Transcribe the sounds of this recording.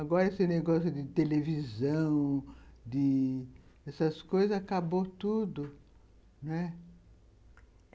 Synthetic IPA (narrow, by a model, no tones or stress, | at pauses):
aɡɔɾɐesɪneɡɔsjʊd̪ɪt̪elevizɐ̃w̃d̪ɪ | ɛsɐskojzɐzakabot̪ud̪ʊ | nwɛ